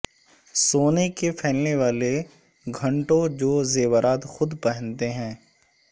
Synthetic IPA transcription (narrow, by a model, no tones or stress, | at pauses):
soːnekepʰɛːlneʋaːle | ɡʱɐ̃ɳʈõd͡ʒoːzeːwəɾaːd̪xʊd̪pɛɦə̃nt̪eɦɛ̃ː